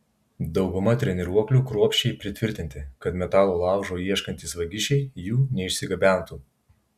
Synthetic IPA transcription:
d̪ɒʊɡʊmɐt̪ʲɾʲɛnʲɪɾuɔklʲuːkɾuɔpʲʃʲt͡ʃʲɛɪpʲɾʲɪt̪ʲʋʲɪɾʲt̪ʲɪnʲt̪ʲɪkɐt̪mʲɛt̪ɑːlˠoːlˠɑˑʊʒoːiɛʃkɐnʲt̪ʲiːsʋɐɡʲɪʃʲɛɪjuːnʲɛɪʃʲsʲɪɡɐbʲæˑnˑt̪uː

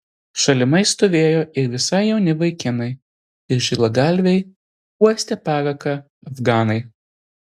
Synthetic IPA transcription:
ʃɐlʲɪmɐɪst̪ɔʋʲeːjoːʔɪɾʋʲɪsɐɪjɛʊnʲɪʋɐɪkʲɪnɐɪ | ɪɾʒʲɪlˠɐɡɐlʲʋʲɛɪ | uɔsʲt̪ʲɛpɑːɾɐkɐ | ɐfɡɑːnɐɪ

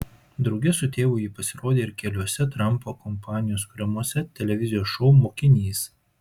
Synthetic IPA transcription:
d̪ɾɐʊɡʲɪsʊt̪ʲeːʋʊjɪpɐsʲɪɾoːd̪ʲeːɪɾkʲɛlʲuɔsʲɛt̪ɾɐmˑpoːkɔmpɑːnʲɪjoːskʊɾʲɛmuɔsʲɛt̪ʲɛlʲɛʋʲɪzʲɪjoːsʃɔʊmoːkʲɪnʲiːs

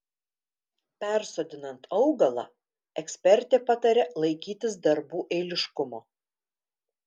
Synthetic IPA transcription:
pʲæˑɾsoːd̪ʲɪnɐnt̪ɐʊɡɐlˠɑ̰ | ɛksʲpʲɛɾʲt̪ʲeːpɑt̪ɐɾʲɛlˠɐɪkʲiːt̪ʲɪsd̪ɐɾbuːʔɛːlʲɪʃkʊmoː

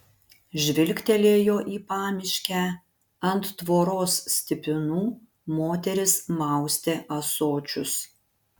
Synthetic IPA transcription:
ʒʲʋʲɪlʲkʲt̪ʲɛlʲeːjoːʔiːpɑːmʲɪʃʲkʲæ | ɐnt̪ːʋoːɾoːssʲt̪ʲɪpʲɪnuː | moːt̪ʲɛɾʲɪsmɑˑʊsʲt̪ʲeːʔɐsoːt͡ʃʲʊs

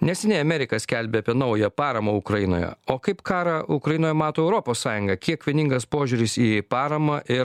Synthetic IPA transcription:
nʲɛsʲɛnʲɛɪɐmʲɛɾʲɪkɐsʲkʲɛlʲbʲeːɐpʲiɛnɐʊjɛpɑːɾɐmɐʊkɾɐjɪno̰ːjɛ̰oːkɐɪpkʰɑːɾɐʔʊkɾɐjɪnoːjɛmɑːt̪oːɛʊɾɔpoːssɑːjʊŋɡɐkʲiɛkʋʲiɛnʲɪŋɡɐspoːʒʲʊːɾʲɪsiːpɑːɾɐmɑʔɪɾ

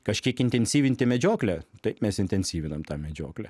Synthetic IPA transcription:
kɐʃʲkʲiɛkɪnʲt̪ʲɛnʲsʲiːʋʲɪnʲt̪ʲɪmʲɛd͡ʒʲoːklʲɛt̪ɐɪpmʲɛsɪnʲt̪ʲɛnʲsʲiːʋʲɪnɐmt̪ɑːmʲɛd͡ʒʲo̰ːklʲɛ

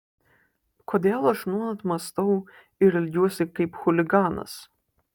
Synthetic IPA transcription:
koːd̪ʲeːlˠɐʃnuːnɐt̪mɐst̪ɐʊ | ɪɾɐlʲɡʲuɔsʲɪkɐɪpxʊlʲɪɡɑːnɐ̰s

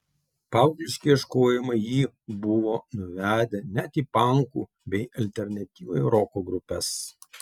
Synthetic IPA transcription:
pɑˑʊzʲɪʃʲkʲiɪʃkoːjɪmɐjiː | bʊʋoːnʊʋʲæːd̪ʲɛnʲæt̪iːpɐˑŋkuː | bʲɛɪʔɐlʲt̪ʲɛɾʲnɐt̪ʲiːʋo̰jɾɔkoɡɾʊpʲɛs

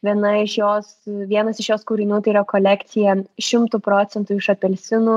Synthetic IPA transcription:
ʋʲiɛnɐɪʃjoːsʋʲiɛnɐsɪʃjoːskuːɾʲɪnʲuːt̪ɐɪiɾɐkoːlʲæːkt̪sʲɪjɛʃʲɪmt̪upɾoːt̪sʲɛnt̪uːɪʃɐpʲɛlʲsʲɪnuː

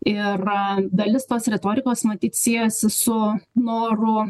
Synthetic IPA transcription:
ɪrɡɐlʲɪst̪oːsɾʲɛt̪oːɾʲɪkoːsmɐt̪ʲiːt̪sʲiːjɛsʲɪsʊnoːrʊ

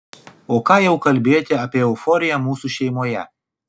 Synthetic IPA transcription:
oːkɑːjɛʊkɐlʲbʲeːjt̪ʲɪɐːpʲiɛʊfɔːɾʲɪjɛmuːsuʃʲɛɪmoːjɛ̰

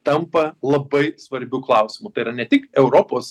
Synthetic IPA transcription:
t̪ɐmpɐlˠɐbɐɪsʋɐɾʲbʲuklˠɐˑʊsʲɪmʊt̪ɐɪiːɾɐnʲɛt̪ʲɪkɛʊɾoːpoːs

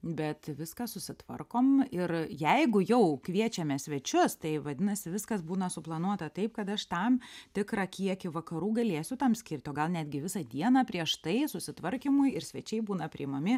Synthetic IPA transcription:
bʲɛt̪ʋʲɪskɑsʊsʲɪt̪ʋɐ̰rkoːmɪrjɛɪɡʊjɛʊkʋʲiɛt͡ʃʲɛmʲɛsʲʋʲɛt͡ʃʲʊst̪ɐɪʋɐd̪ʲɪnɐsʲɪʋʲɪskɐsbuːnɐsʊplˠɐnuɔt̪ɐt̪ɐɪp̚kɐt̪ɐʃt̪ɐmt̪ʲɪkrɑkʲiɛkʲɪʋɐkɐɾuːɡɐlʲeːsʲʊt̪ɐmsʲkʲɪrʲt̪ʲoːɡɐlˠnʲæːd̪ʲɡʲɪʋʲɪsɐd̪ʲiɛnɐːpʲɾʲiɛʃt̪ɐɪsʊsʲɪt̪ʋɐrʲkʲimʊjɪɾsʲʋʲɛt͡ʃʲɛɪbuːnɐpʲɾʲɪɪmɐmʲɪ

